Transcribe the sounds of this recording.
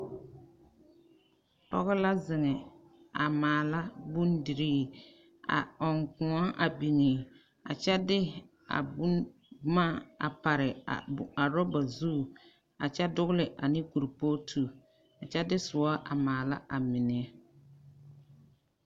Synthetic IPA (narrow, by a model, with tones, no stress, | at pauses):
tɔ̰˦ɣɪ˦la˦zɪ˨ŋɛ˨ | a˨maː˨la˦bu˦ndi˨ɾiː˦ | a̰˨ɔ˨ŋkʊ̃˨ɔ˦ʔa˨bi˨ŋi˨ | a̰˨t͡ʃɛ˦dɪ˦ | a̰˨b | ma˦˨a̰˨pa˨ɾɪ˨a˨ɾɔ˦ba˨zu˦˨ | a˨t͡ʃɛ˦dʊ˦ɣʊ˦lɪ˨ʔa˨nɪ˦ku˨ɾpo˦tʰu˨ | a˨t͡ʃɛ˦dɪ˦sʊ˨ɔ˦ʔa˨maː˨la˦ʔa˨mɪ˨nɛ˨˦